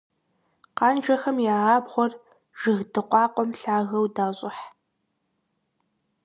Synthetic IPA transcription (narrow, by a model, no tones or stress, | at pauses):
qɑːnʒɐxɐmjaːaːbʁʷɔr | ʒ̥ɨɣdɨqʷɑːqʷʼɔmɬaːɣɐwdaːɕʼɪħ